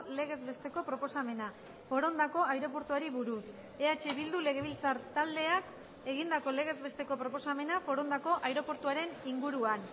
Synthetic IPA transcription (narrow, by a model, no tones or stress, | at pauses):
le̞ɣ̞e̞zbe̞st̪e̞ko̞pɾo̞po̞same̞na | fo̞ɾo̞nd̪ako̞ajɾo̞p̬o̞ɾt̪uaɾiβuɾuθ | e̞at͡ʃe̞βild̪ule̞ɣe̞β̞ilt͡saɾt̪ald̪e̞ak | e̞ɣ̞ind̪ako̞le̞ɣ̞e̞zβe̞st̪eko̞pɾo̞po̞same̞nafo̞ɾo̞nd̪ako̞ʔajɾo̞po̞ɾt̪uaɾe̞niŋɡuɾuan